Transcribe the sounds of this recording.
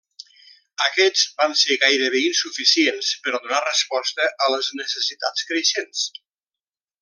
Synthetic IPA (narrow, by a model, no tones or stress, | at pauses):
əkɛzbanseɣajɾəβeinsufisienspəɾɔðunarəspɔst̪əʔələznəsəsit̪a̰t͡skɾeʃens